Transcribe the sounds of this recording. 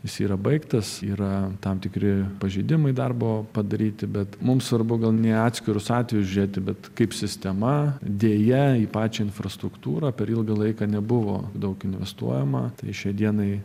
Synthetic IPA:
jɪsiːɾɐbɐɪkt̪ɐsiːɾɐt̪ɐmt̪ʲɪkɾʲɪpɐʒʲɛɪd̪ʲɪmɐɪd̪ɐrboːpɐd̪ɐɾʲiːt̪ʲɪbʲɛt̪mʊmsʋɐrbʊɡɐlˠnʲeɑːt̪ʲsʲkʲɪɾʊsɑːt̪ʲʋʲɛjʊsʒʲʊɾʲeːt̪ʲɪbʲɛt̪kɐɪpsʲɪsʲt̪ʲɛmɐd̪ʲeːjɛiːpɑːt͡ʃʲɛːɪnfrɐst̪ɾʊkt̪uːɾɐːpʲɛɾilˠɡɐlˠɐɪkɐnʲɛbʊʋo̰ːd̪ɐʊkɪnʲʋʲɛ̰st̪ṵɔjɛmɐt̪ɐɪʃʲiɛd̪ʲiɛnɐɪ

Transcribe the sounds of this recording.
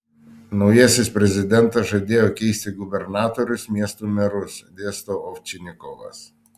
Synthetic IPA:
nɔjɛsʲɪsʲpɾʲɛzʲɪd̪ʲɛnt̪ɐʒɛd̪ʲejɔkʲɛjsʲt̪ʲɪɡʊbʲɛɾnaːt̪ɔɾʲʊsmʲiɛst̪umʲɛɾʊsɛd̪ʲeːst̪ɔɔft͡ʃʲɪnʲɪkɔlɐ̰s

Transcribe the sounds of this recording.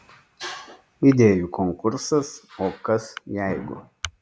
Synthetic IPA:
id̪ʲeːjukoŋkʊɾsɐsoːkɐsjɛɪɡʊ̰

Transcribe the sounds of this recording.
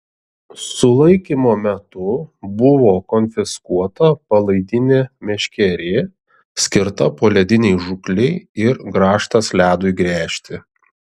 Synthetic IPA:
sʊlˠɐɪkʲimoːmʲɛt̪ʊbʊʋoːkɔnʲfʲɪskuɔt̪ɐpɐlˠɐɪd̪ʲɪnʲeːmʲɛʃʲkʲɛɾʲeː | sʲkʲɪɾt̪ɐpoːlʲɛd̪ʲɪnʲɛɪʒʊklʲɛɪɪɾɡɾɑːʃt̪ɐslʲæːd̪ʊjɡɾʲæːʃʲt̪ʲɪ

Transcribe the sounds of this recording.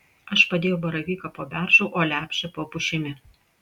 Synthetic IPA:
ɐʃpɐd̪ʲeːjɛʊbɐɾɐʋʲiːkɐpoːbʲæˑɾʒoʊʔoːlʲæːpʲʃʲɛpoːpʊʃʲɪmʲɪ

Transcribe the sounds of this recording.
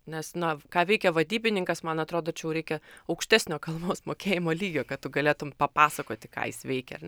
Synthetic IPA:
nʲɛsnɐkɑːʋʲɛɪkʲɛʋɐd̪ʲiːbʲɪnʲɪŋkɐsmɐnɐt̪ɾoːd̪oːt͡ʃʲɛjɛʊɾʲɛɪkʲɛɐʊkʃʲt̪ʲæːsʲnʲoːkɐlˠboːsmoːkʲeːjɪmoːlʲiːɡʲoːkɐtt̪ʊɡɐlʲeːt̪ʊmpɐpɑːsɐkoːt̪ʲɪkɑ̰ːjɪ̰sʋʲɛɪkʲɛ̰ɐrnʲ

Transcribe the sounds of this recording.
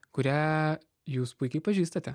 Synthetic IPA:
kʊɾʲæː | juːspʊɪkʲɛɪpɐʒʲiːst̪ɐt̪ʲɛ

